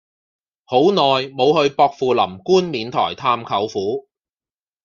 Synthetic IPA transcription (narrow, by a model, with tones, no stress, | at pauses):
ho˨˥wnɔː˨jmo˨˧whɵ˧ɥpɔː˧k̚fuː˨˧lɐ̰˨˩mkuː˥nmiː˨nt̪ʰɔ̰ː˨˩jt̪ʰaː˧mkʰɐ˨˥wfuː˨˥